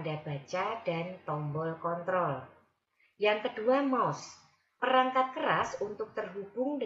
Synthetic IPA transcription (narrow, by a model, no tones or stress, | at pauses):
ndab̥a̤t͡ʃad̥ant̪ɔmbɔlkɔnt̪ɾɔl | jaŋkəd̥uamɔs | pəɾaŋkat̪̚kəɾasunt̪ʊk̚t̪ərɦub̥ʊŋd